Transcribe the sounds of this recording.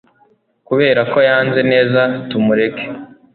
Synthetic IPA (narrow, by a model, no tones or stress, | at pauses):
kuβe̞ːɾako̞jaːnze̞ne̞ːzatumuɾe̞ke̥